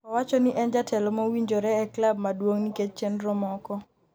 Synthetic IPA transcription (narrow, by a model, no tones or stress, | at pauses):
ɔwat͡ʃɔniʔɛnd͡ʒatʰɛlɔmowiɲd͡ʒoɾɛɛklab̚madwoŋniket͡ʃ̚t͡ʃɛnɾɔmɔkɔ